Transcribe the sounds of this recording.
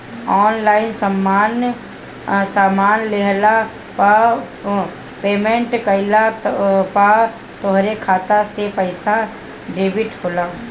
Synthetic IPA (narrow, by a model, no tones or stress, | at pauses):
ɔːnlaːɪnsəmːaːn | saːmaːnleɦla | pa | peːmẽɳʈkəɪlapa | t̪oɦɾekʰaːt̪asepəɪsa | ɖeːbɪʈhoːlaː